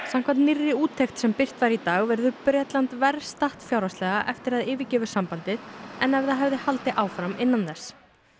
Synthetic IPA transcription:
sam̥kʰvant̪nɪrːɪuːt̪ʰːejxt̪sɛmpɪr̥t̪vaɾit̪aːɣvɛɾðʏpɾjɛːt̪lant̪vɛɾst̪aht̪fjawɾast̪lɛːɣaʔɛft̪ɪɾaðɪːvɪcɛːvʏ̥sampant̪ɪðɛnɛvðaðɦɛvðɪhalt̪ɪʔaːwfɾamɪnːanθɛs

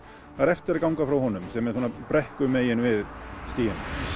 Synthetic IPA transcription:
θaɾɛft̪ɪɾakawŋkafɾawhɔnʏmsɛmːɛðsoːnapɾɛhkʏmeːjɪnvɪðst̪iːjɪn

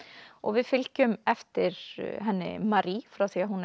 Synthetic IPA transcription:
ʔɔ̰ʋɪfɪlcʏmɛft̪əɾɦɛnːɪ̰mɑɾiːfɾaːθiːaɦun

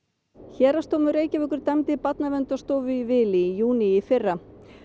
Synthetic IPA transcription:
çɛːɾast̪oːwmʏɾeːjcɪvʏkʏɾ̥t̪amt̪ɪpat̪navɛnt̪ast̪oːwvʏivɪːliijuːniifɪrːa

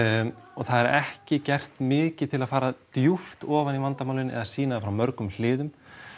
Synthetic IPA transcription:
ɔɣθaðɛɾɛhcɪcɛr̥t̪mɪːcɪt̪ʰɪlaðfaːɾat̪juft̪ɔːvanivant̪amaːwlɪnʔɛ̰ðasiːnaðafɾawmœɾkʏml̥ɪːðʏm

